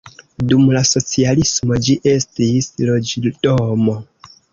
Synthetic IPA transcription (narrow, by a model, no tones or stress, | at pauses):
dumlaso̞t͡sialismo̞d͡ʒiʔe̞stislo̞d͡ʒidomo̞